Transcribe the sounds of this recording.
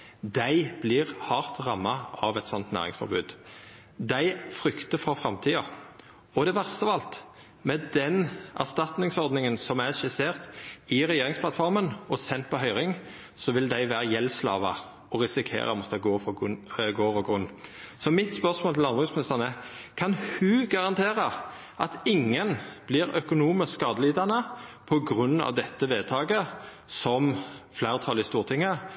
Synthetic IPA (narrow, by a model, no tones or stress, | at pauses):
d̪æɪb̥lɪʁhɑʁt̪ʁɑmːɑɑʋɛt̪sɔnt̪næ̰ʁɾɪ̰ŋsfɔ̰ɾbʉːd̪ | d̪æɪfɾʏkt̪əfɔfʁɑmt̪ʰiːɑ | ɔd̪ɛʋæʁst̪əʋɑlt̪ | mɛd̪ɛnʔæʁst̪ɑt̪nɪŋsɔɾd̪nɪŋənsɔmæʃɪseːʁt̪ɪɾɛjeːɾɪŋsplɑt̪fɔʁmənɔsɛnt̪̚pɔɦœʏɾɪŋ | sɔʋɪld̪æɪʋæːɾəjɛlːslɑ̰ːʋɑ | ɔʁɪsɪkʰḛːɾəmɔt̪ʰːəɡoːfɔɡoːɾɔɡʁʉnː | sɔmɪt̪spœʁsmoːlt̪ʰɪlɑnbʁʉsmɪnɪst̪əʁnəkʰɑnhʉːɡɑʁɑnt̪ʰeːʁə | ʔɑt̪ɪŋːənb̥lɪɾœkʊnuːməskɑːd̪əliːd̪ɑnəpʰɔɡʁʉnːɑ̰ʋd̪ɛt̪ːəʋeːt̪ʰɑːɡə | sɔmflæːʁt̪ʰɑlɪst̪uːʁt̪ʰɪŋːə